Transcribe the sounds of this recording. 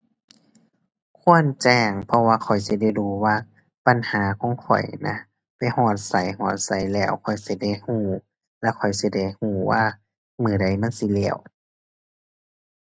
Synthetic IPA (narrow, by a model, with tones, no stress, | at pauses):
kʰu˧˥˨ə˨nt͡ɕɛː˧˩ŋpʰɔ˧waː˧kʰɔ˨˩jsi˧˦da˧˩˨jduː˧˦waː˧˩ | pa˧˨nhaː˨˦kʰɔː˨˦ŋkʰɔ̰˨˩jna̰˧ | pa˨jhɔː˧˩t̪̚sa˨˦jhɔː˧˩t̪̚sa˨˦jlɛː˧˩˨wkʰɔ˨˩jsi˧˩da˧˩jhuː˧˩ | lɛː˧˥˨wkʰɔ˨˩jsi˧˦da˧˩jhuː˧˩waː˧˨ | mɯː˨˩˦da˧˩jma˧˥˨nsi˧˦lɛː˧˩w